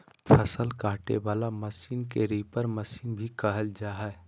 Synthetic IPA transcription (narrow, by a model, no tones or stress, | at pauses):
pʰəsəlkaːʈḛʋaːlamɐsiːnkeɾiːpəɾmɐsiːnbʱikɐɦəld͡ʒaːɦɛ